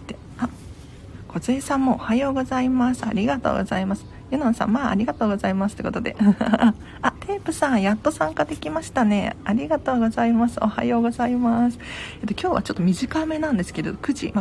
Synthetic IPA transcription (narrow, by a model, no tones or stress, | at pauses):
t̪e | a | ko̞zeːsãmːo̞ːhajo̞ːɡo̞zaimasɨ̥a̰ɾʲiɡat̪o̰ːɡo̞̰zaimasɨ̥ | jɯ̟nõɰ̃sã̰maːa̰ɾʲiɡat̪o̞ːɡo̞zaimasɨ̥t̪ːe̞ko̞t̪o̞d̪e̞̰ | at̪ʰe̞ːpɯ̟sãɰ̃jat̪ːo̞sãŋkad̪e̞kʲimaɕi̥t̪ane̞̰aɾʲiɡat̪o̞ːɡo̞zaimasɨo̞̰ha̰jo̞ːɡo̞zaimasɨ̥et̪ːo̞kʲo̞ːβa̰t͡ɕo̞t̪ːo̞mʲiʑikame̞nãnd̪e̞sɨ̥ke̞d̪e̞d̪okɯ̟ʑḭma